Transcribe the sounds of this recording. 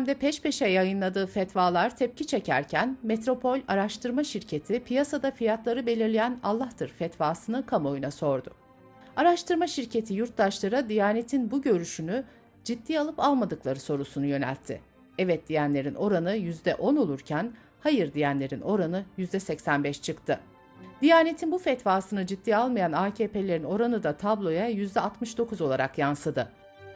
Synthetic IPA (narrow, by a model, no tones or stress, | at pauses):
md̪ɛpʰɛʃpe̞ʃɛjajɯnlˠad̪ɯːfɛt̪vaːlˠaɾt̪ʰɛp̚cit͡ʃʰecʰæɾcʰænmet̪ɾo̞pʰo̞lʲaɾaʃt̪ʰɯɾmaʃiɾcʰe̞t̪ʰipʰijasad̪afijat̪lˠaɾɯbe̞lʲiɾlʲijænalˠːaht̪ɯɾfɛt̪vaːsɯnɯkʰamo̞junaso̞ɾd̪ʊ | aɾaʃt̪ʰɯɾmaʃiɾcʰe̞t̪ʰijuɾt̪lˠaʃlˠaɾad̪ijaːnet̪ʰinbuɟø̞ɾyʃyny | d͡ʒit̪ːiːalˠɯpalˠmad̪ɯklˠaɾɯso̞ɾusunujø̞næ̰lʲt̪ʰːɪ̰ | ɛvɛt̪̚d̪ijænlʲe̞ɾino̞ɾanɯjyzd̪ɛʔo̞no̞lˠuɾcʰæn | hajɯɾd̪ijænlʲe̞ɾino̞ɾanɯjyzd̪ɛsɛcsænbɛʃt͡ʃʰɯkt̪ʰɯ | d̪ijaːnet̪ʰinbufɛt̪vaːsɯnɯd͡ʒid̪ːiːalˠmajanaːcʰeːpelʲe̞ɾino̞ɾanɯd̪at̪ʰablˠo̞jajyzd̪ɛat̪mɯʃd̪o̞kʰuzo̞lˠaɾakjansɯd̪ɯ